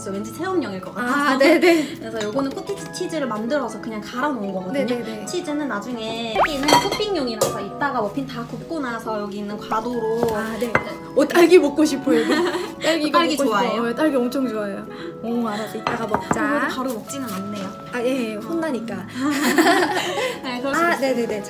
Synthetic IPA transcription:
s͈ʰʌwend͡ʑisʰe̞ʌmɲʌŋiɭk͈ʌkanenekɯɾesʰʌjoɡʌnɯnkʰokʰit͡ɕʰi̥t͡ɕʰid͡ʑɯɾɯɭmandɯɾʌsʰʌkɯɲaŋkaɾʌnoɯŋɡʌɡʌdnɯɲoet͡ɕʰid͡ʑɯnɯnːad͡ʑuŋe̞ɡiːnːɯnkʰopʰiŋɲʌŋiɾasʰʌit̚t͈aɡamʌpʰintakup̚k͈onasʰʌjʌɡiːnːɯnkwadoɾoane̞ | ʌt͈ʼaɭɡibok̚k͈oɕʰipʰojoɡit͈aɭɡiɡaɭɡit͡ɕkoaojot͈aɭɡiʌmt͡ɕʰoŋd͡ʑoajo | ʌaɾas͈oit̚t͈aɡamʌk̚t͡ɕ͈aɡodpaɾumʌk̚t͡ɕ͈inɯnanːe̞jo | ajesʰondaɲik͈a | ekɯɾane̞ne̞ne̞t͡ɕ

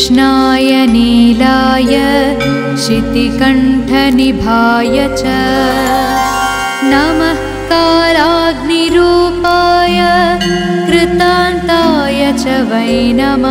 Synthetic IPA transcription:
ʃnaːjɐniːlaːjɐ | ʃit̪ikɐɳʈʰɐnibʱaːjɐt͡ʃɐ | nɐmɐs | kaːɾaːɡniɾuːpaːjɐ | kɾɪt̪aːnt̪aːjɐt͡ʃɐʋɐjnɐmɐ

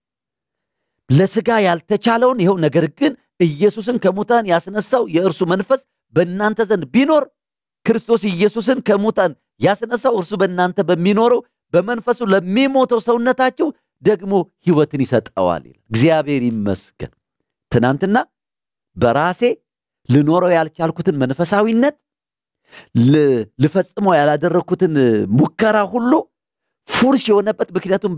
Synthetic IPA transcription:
ləsɨɡajalt̪ʰət͡ʃaləwnjhɛwnəɡəɾɡɨn | ɨjːɛsus̬ɨnkʰəmot̪ʰanjasnəsːawjɛɨɾsumənfəs | bəɨnːant̪ʰəzənd̪̚bino̞ɾ | kɨɾɨst̪ʰo̞sɨjːɛsus̬ɨnkʰəmot̪ʰan | jasnəsːawɨɾsubəɨnːant̪ʰəbəmːino̞ɾəw | bəmənfəsuləmːimo̞t̪ʰəwsəwnːət̪at͡ʃːɛw | d̪əɡmo̞hiwɔt̪ɨnjɪsət̪ʼə̰wa̰lɪ̰lalɡzijaβe̞ɾjɪmːə̰sɡə̰n | t̪ʰɨnant̪ɨnːa | bəɾase̞ | lɨno̞ɾəwjalt͡ʃalkut̪ʰɨnmənfəsawinːət̪ | lifəsʼɨməwjalad̪ərːəkut̪ɨnmukːəɾaɦulːu | fuɾʃjɛhonəbːət̪mɨknijat̪um

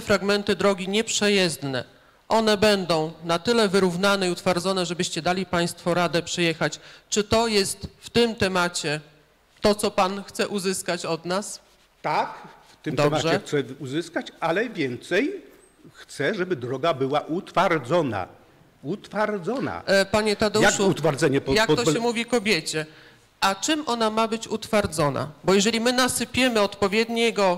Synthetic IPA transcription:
fɾaɡmɛnt̪ɘd̪ɾɔɡʲiɲɛpʂɛjɛzd̪nɛ̰ | ʔɔnɛbɛnd̪ɔ̃w̃nat̪ɘlɛvɘɾuvnanɛiut̪faɾd̪zɔnɛʐɛbɘɕt͡ɕɛd̪alʲipaj̃st̪fɔɾad̪ɛpʂɘjɛxat͡ɕt͡ʂɘt̪ɔjɛst̪ft̪ɘmt̪ɛmat͡ɕɛ | t̪ɔt̪sɔpanxt̪sɛʔuzɘskat͡ɕɔd̪nas | t̪akft̪ɘmd̪ɔɛbmaʐt͡ɕɛxt̪sɛuzɘskat͡ɕalɛvʲjɛnt̪sɛj | xt̪sɛʐɛbɘd̪ɾɔɡabɘwaʔut̪faɾd̪zɔna̰ | ut̪faɾd̪zɔna̰paɲɛt̪ad̪ɔjakʂuut̪faɾd̪zɛɲɛpjak̚t̪ɔɕɛmuvʲikɔbʲjɛt͡ɕɛ | ʔat͡ʂɘmʔɔnamabɘt͡ɕut̪faɾd̪zɔna̰bɔjɛʐɛlʲimɘnasɘpʲjɛmɘɔt̪pɔvʲjɛd̪ɲɛɡɔ

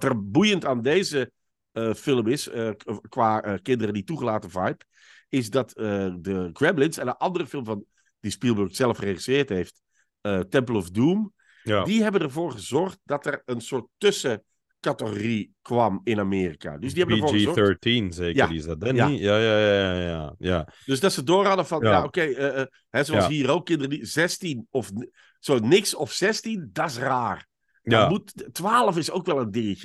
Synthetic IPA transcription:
tərbujəntaːndeːzə | fɪlˠəmɪsəkʋaːəkɪndərədituχəlaːtəvɑjp | ɪzdɑtədəɡɹɛblɪnsɛndəʔɑndərəfɪlˠmvɑn | dispilˠbøktsɛlˠəfreχisɪːɹtɦejft | ətɛmplˠɔvduːm | diɦɛbəndəɹvoːɹχəzɔrχt̚dɑtɛrənsʊːɹtːøsə | katəxorikʋɑmɪnameːrika̰døzdihɛbədəvoːɹɣəzɔəɹtinzeːkjadisdɛjajajajajajad̥øzdɑtsədoːɹhɑdəvɑnjjaokejə | ɦɛzoɑshiːrokːɪndərəizɛstinɔf | soːnɪksɔfsɛstindɑtɪs̬raːr | dɔmuttʋaːlˠəfɪsowkʋɛlˠəndɪtə

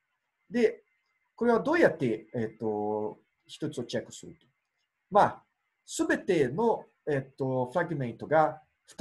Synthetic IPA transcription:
d̪e̞ | ko̞ɾe̞β̞ad̪o̞ːjat̪ːe̞et̪ːo̞ | çi̥t̪o̞t͡sɨot͡ɕakːɯ̟̥sɨɾɯ̟t̪o̥ | maː | sɨbe̞t̪e̞no̞ | et̪ːo̞ɸɯ̟ɾaɡɯ̟mẽ̞nt̪o̞ɡa | ɸɯ̟̥t̪

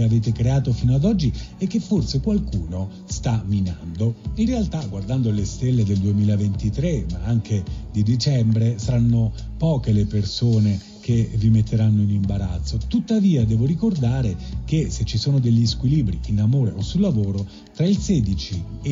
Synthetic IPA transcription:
eaveːt̪ekɾeaːt̪ofiːnoad̪ɔd͡ʒːiɛkːefːorsekwalkuːno | st̪amina̰nd̪oinrealt̪aɡward̪and̪olest̪elːed̪eld̪uemiːlavent̪it̪ɾemaaŋk̟ed̪id̪it͡ʃɛmbɾesaɾanːo | pɔːkelepersoːne | k̟evimet̪ʰːeɾanːoinimbaɾat̪sːot̪ut̪ːaviːad̪ɛːvoɾikord̪aːɾek̟eset͡ʃːisoːnod̪eʎːiskwiliːbɾiinamoːɾeʔosulːavoːɾo | t̪ɾailsɛːd̪it͡ʃi

